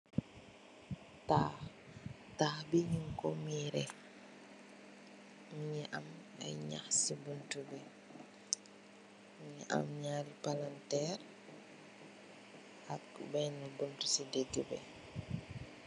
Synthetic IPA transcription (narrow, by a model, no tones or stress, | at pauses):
tah | tahbiɲiŋkɔmiɾɛ | mɲɛʔa̰ma̰jɲa̰hsibuntubɛ | ɲiʔa̰mɲaɾipalantɛr | akbɛjnabuntusideɡɛbɛ̰